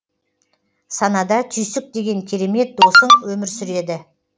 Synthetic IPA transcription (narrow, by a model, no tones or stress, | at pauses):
sɑnɑd̪ɑt̪ʰʏjsɪk̚d̪e̞ɡʲe̞ŋkʲʰeɾe̞me̞t̪̚d̪osəŋwɵmɪɾsʏɾe̞d̪ɪ